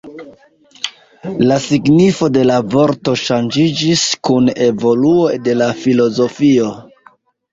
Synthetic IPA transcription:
lasiɡnifo̞de̞lavo̞ɾto̞ʃand͡ʒid͡ʒiskune̞vo̞luo̞jde̞lafilo̞zo̞fio̞

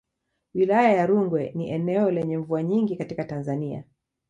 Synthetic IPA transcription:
wilajajaɾuŋɡwɛniʔɛnɛɔlɛɲɛɱvuaɲiŋɡikatikatanzania̰

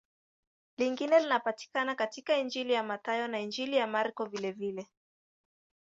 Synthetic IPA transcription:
liŋɡinɛlinapati̥kanakatikaind͡ʒilijamatajɔnaind͡ʒilijamaɾkɔvilɛvilɛ

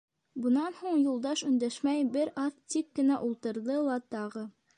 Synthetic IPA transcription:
bɤ̆nɑnhuɴjulˠd̪ɑʃɵ̆nd̪æʃmæjbɘɾɑθt̪ikːɘ̆næʔulˠt̪ɤ̆ɾðɤlˠɑt̪ɑʁɤ

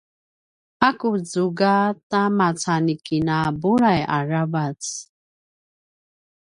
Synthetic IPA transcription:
akud͡zuɡatamat͡sanikinabuɭaja̰ɹavat͡s

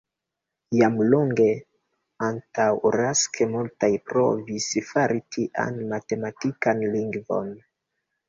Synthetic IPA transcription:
jamloŋɡe̞ | antawɾaskʰemultajpɾo̞visfaɾitʰiʔa̰nmate̞matikanliŋɡvo̞̰n

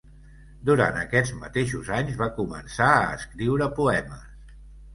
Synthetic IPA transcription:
d̪uɾa̰nt̪əkɛd͡zmə̰t̪eʃuzaɲzβakumə̰nsaəːskɾiwɾəpuɛməs

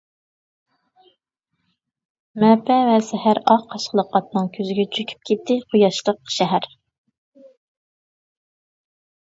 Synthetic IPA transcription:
mɛpʰɛvɛsɛhæɾɑɑʃqʰəlˠəqɑt̪nɨŋkʲʰøzɪɡʲɛt͡ʃʰykʲʰy̥p̚kʲʰet̪ːɪqʰojɑʃlˠəqʃɛɦæɾ

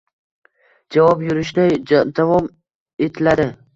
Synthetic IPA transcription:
d͡ʒavɒpjʊɾɪʃd̪ad̪avɒm | e̞t̪ʰɪlad̪ɪ

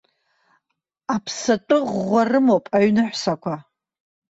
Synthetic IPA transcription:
apʰsatʼɨʁːʷarɨmowpʼaɥnɨħʷsakʷʰa

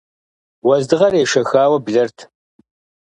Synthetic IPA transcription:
wɐzdɨʁɐreːʂɐxaːwɐbɮɐrtʰ

